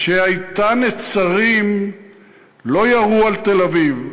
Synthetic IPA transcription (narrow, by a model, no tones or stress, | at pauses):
ʃeajt̪anet͡saʁim | lo̞jaʁualt̪e̞laviv